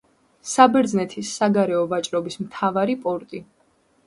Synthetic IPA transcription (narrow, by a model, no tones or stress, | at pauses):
sabɛɾd̪znɛt̪ʰisːaɡaɾɛɔvat͡ʃʼɾɔbismt̪ʰavaɾipʼɔɾt̪ʼi